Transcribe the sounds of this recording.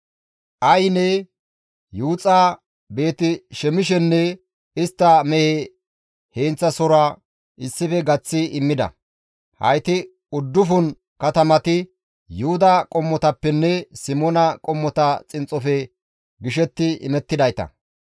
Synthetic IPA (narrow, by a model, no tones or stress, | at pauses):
ʔɐjnɛ | juːt͡sʼaː | be̞ːt̪ɪʃɛmɪʃɛnːɛ | ɪst̪ːɐmɛhe | he̞ːnt͡sːɐsɔɾaː | ɪsːɪfɛɡɐt͡sːɪɪmːɪd̪ɐ̰ | hɐ̰jt̪ɪ | ʊd̪ːʊfʊn | kɐt̪ɐmɐt̪ɪ | jʊhʊd̪ɐkʼɔmːɔt̪ɐpːɛnːɛsɪmɔnɐkʼɔmːɔt̪ɐt͡sʼɪnt͡sʼːɔfɛ | ɡɪʃɛt̪ːɪɪ̰mɛt̪ːɪd̪ɐjt̪ɐ̰